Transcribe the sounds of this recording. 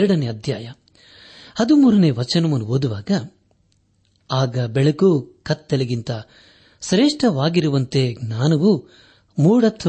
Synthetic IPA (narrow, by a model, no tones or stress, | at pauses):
ɾɐɽɐneɐd̪ʱjaːjɐ | hɐd̪umuːɾɐneːʋɐt͡ʃɐnɐmɐnuoːd̪uʋaːɡɐ | aːɡɐbɛɭɐkukɐt̪ːelɐɡint̪ɐ | sɾeːʂʈɐʋaːɡiɾuʋɐnt̪e̞ːɡnaːnɐʋu | muːɽɐt̪ʰːɐ